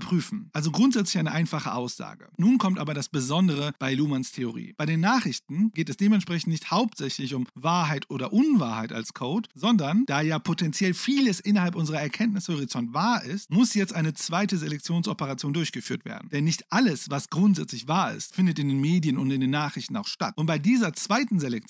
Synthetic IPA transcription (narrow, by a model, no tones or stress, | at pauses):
pʁ̥yːfn̩ʔalzoɡʁʊntz̥ɛt͡slɪçʔaɪnəʔaɪnfaχəʔaʊsz̥a̰ːɡənuːnkʰɔmtʔaːbɐɾasb̥əzɔndəʁ̞əb̥aɪluːmanstʰeoʁḭːb̥aɪɾeːnːaːχʁ̥ɪçtn̩ɡ̥eːtɛsd̥eːmɛntʃpʁ̥ɛç̬n̩tnɪçthaʊp̚tz̥ɛçlɪçʊmvaːɐɦaɪtʔoːdɐʔʊnvaːɐhaɪta̰lskʰoʊtz̥ɔndɐnd̥aːjaːpʰotɛnt͡sjɛlfiːləsʔɪnɐhalpʔʊnzəʁ̞ɐɛɐkʰɛntnɪshoʁit͡sɔntv̥aːɐʔɪst̚mʊsjɛt͡stʔaɪnət͡sv̥aɪtəzelɛk̚t͡sjoːnsʔɔpəʁat͡sjoːndʊɐçɡ̥əfyːɐtv̥ḛɐdn̩d̥ɛnːɪçtʔaləsvasɡ̥ʁʊntz̥ɛt͡slɪçv̥aːɐɪ̰stfɪndətɪndeːnmeːdjənʊntɪndeːnːaːχʁ̥ɪçtn̩aʊxʃta̰t̚ʔʊnt̚b̥aɪdiːzɐt͡sv̥aɪtn̩zelɛk̚